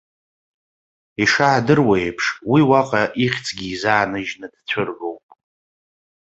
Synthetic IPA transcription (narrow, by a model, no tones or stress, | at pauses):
iʂaːdɨrwejpʰʂwiwaqʼaʔiχʲt͡sʰʼɡʲiːzaːnɨʒnɨd̥t͡sʷʰɨrɡowpʼ